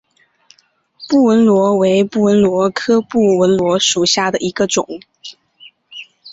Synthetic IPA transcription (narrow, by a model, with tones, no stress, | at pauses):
pu˥˩wə˧˥nlwɔ˧˥we˧˥ɪpu˥˩wə˧˥nlwɔ˧˥kʰɤ˥pu˥˩wə˧˥nlwɔ˧˥ʂu˨˩ɕja˥˩d̪ə˩ʔi˧˥ɡə˧ʈ͡ʂʊ˨˩˦ŋ